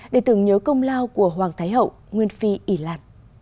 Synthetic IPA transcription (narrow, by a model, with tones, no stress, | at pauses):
ɗe˧˩t̪ɨ̰˨˧˩ŋɲəː˨˦kə˧wŋ͡mlaː˧wku˧˩əɦwaː˨˩ŋt̪ʰaː˨˦jɦə̰˧˨w | ŋwi˧ənfi˧ʔi˧˩la̰ː˧˩˨p̚